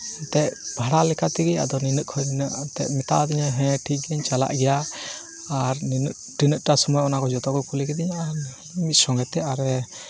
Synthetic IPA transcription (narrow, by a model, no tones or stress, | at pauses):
ɛnt̪ɛʔbʱaɽalɛkat̪iɡia̰d̪ɔninəʔ̚kʰɔjninəʔt̪ɛ̰ʔ̚mɛt̪aʔd̪iɲɛɦɛ̃ʈʰiʔ̚ɡɛɲt͡ʃala̰ʔɡɛja | aɾninəʔ̚ | ʈinəʔ̚ʈasɔmɔjɔnakɔd͡ʒɔt̪ɔkɔkʰulikɛd̪iɲaʔa | imit̪̚sɔŋɡɛt̪ɛaɾɛ